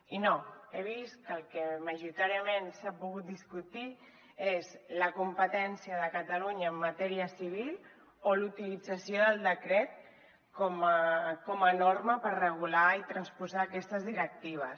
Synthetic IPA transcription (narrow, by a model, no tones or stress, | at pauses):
inoeβ̞ist̪kəlˠkəməʒuɾit̪aɾiəmensapuɣ̞ut̪̚d̪iskut̪i | ezləkumpət̪ɛnsiəðəkət̪əluɲəːmːət̪ɛɾiəsiβ̞il | olut̪ilid͡zəsjoðəlˠd̪əkɾɛt̪̚ | kɔməkɔmənoɾməpəɾrəɣ̞ulait̪ɾənspuzaːkɛst̪əzðiɾək̚t̪iβ̞əs